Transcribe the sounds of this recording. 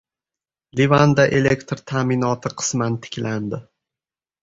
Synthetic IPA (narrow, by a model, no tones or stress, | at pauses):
livand̪aʔe̞le̞kt̪ɾt̪ʰaːmɪnɒt̪ʰɪqʰɨ̥smant̪ʰɪ̥kʲland̪ɪ